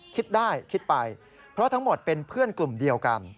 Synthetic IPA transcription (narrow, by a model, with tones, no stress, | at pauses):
kʰi˦˥t̪̚daː˥˩jkʰi˦˥t̪̚pa˧j | pʰɾɔ˦˥t̪ʰa˦˥ŋmo˨˩t̪̚pe˧npʰɯ˥˩ənklu˨˩mdi˧əwka̰˧n